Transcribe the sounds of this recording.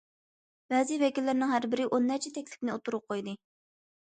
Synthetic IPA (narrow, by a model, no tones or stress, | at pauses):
bɛzivɛkʲilːɪɾnɪŋɦæɾbɪɾɪʔonːæɾt͡ʃʰɛt̪ʰɛkʲlɪ̥pnɪot̪uɾʊp̚qʰojd̪ɨ